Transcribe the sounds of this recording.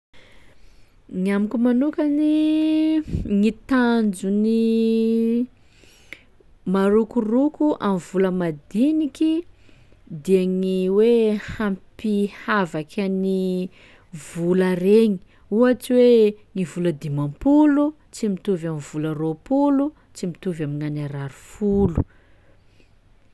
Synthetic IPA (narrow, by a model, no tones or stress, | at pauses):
ŋiamikumanukani | ŋit̪and͡ʒuni | maɾukurukuʔamvuləmad̪iniki | d̪iaŋiwehampihavakʰani | vulaɾeŋi̥ | uaʈ͡ʂiweŋivuləd̪imampulu | t͡simit̪uvamivularopulu | t͡simit̪uvaminanaɾaɾufulu